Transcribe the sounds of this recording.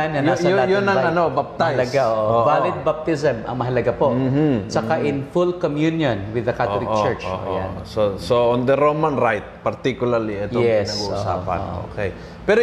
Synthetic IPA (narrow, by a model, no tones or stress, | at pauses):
nɐj̪aɐjajʊnɐɐnobap̚t̪ajlɐɡaʔoʔoovalɪd̪̚bap̚t̪ɪsɛmʔɐ̰ŋmɐɦɐlɐɡapoʔ̩sɐkaʔɪnfulkomjunjonwɪðɐkatolɪt͡ʃɛɹt͡ʃo̰o̰jasosoond̪əɾowmɐnɾajt̪̚pɐɾt̪ikjʊlɐɾliɛt̪oɛsnɐɡuosa̰ːpɐ̰no̰kej | pɛɾo